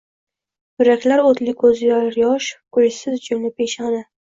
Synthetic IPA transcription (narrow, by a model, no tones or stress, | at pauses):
jʊɾakʲlaɾot̪lɪkʰɵzjaɾjɒʃkʰʊjsɪzd͡ʒʊmnɪpʰeʃna